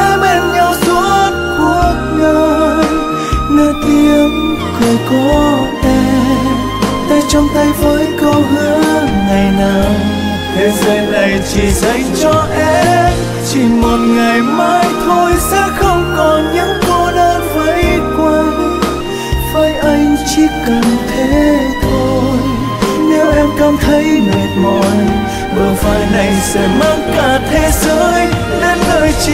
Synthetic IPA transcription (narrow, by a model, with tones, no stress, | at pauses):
ʔɛ˧mʔɛ˧˩nɲa˧wsu˦ət̚ku˨˧˩ət̚ŋəː˧ | ləː˧t̪i˧əm | kɔ˨˩kɔ˨˦ | ʔɛ˧m | t̪a˧jt͡ɕɔ˧wŋ͡mt̪a˧jvəː˨˦jkə˧wnɨ̰˧˥əŋa˨˩jnaː˨˩w | t̪ʰe˨˦zə˧na˨˩jt͡ɕi˨˩za˧˩jŋt͡ɕɔ˧ʔɛ˧m | t͡ɕi˨˩ŋmo˨˩t̚ŋa˨˩jmaː˧jt̪ʰo˧jsɛ̰˧˥xə˧wŋ͡mkɔ˨˩nɲɨ̰˧˥ŋko˧ɗəː˧˦və˧˦jkwe˧n | vaː˨˩jʔa˧jŋ̟t͡ɕi˧˥kə˨˩nt̪ʰe˨˦t̪ʰo˧j | ne˨˦wʔɛ˧mkaː˧˩nt̪ʰə˨˦jme˨˩t̚mɔ˨˩n | vəː˨˩vaː˨˩jna˨˩jsɛ̰˧˥maː˧ŋkaː˧˩t̪ʰe˧zəː˨˧˦j | ne˧nŋəː˨˩j